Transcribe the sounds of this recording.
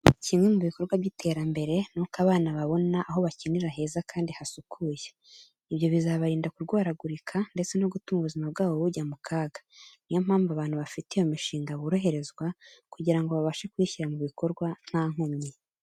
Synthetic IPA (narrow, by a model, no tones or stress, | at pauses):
cimŋwe̞muβiko̞ɾɡwaβjitʰe̞ːɾambe̞ɾe̞nukaβaːnaβaβo̞naʔːɦo̞βaciniɾaɦe̞ːzakʰaːndihasukʰuje | iβjo̞βizaβaɾiːndakuɾɡwaːɾaɡuɾikʰande̞t͡se̞noɡutumuβuzimaβɡaːβo̞βuɟamukʰaːɡḁnijom̥aːɱvaβaːn̥huβafitejo̞miʃiːŋɡaβuɾoɦe̞ɾe̞zɡwakuɟiɾaŋɡo̞βaβaʃekwiːçiɾamuβiko̞ɾɡwan̥haːŋ̥omɲi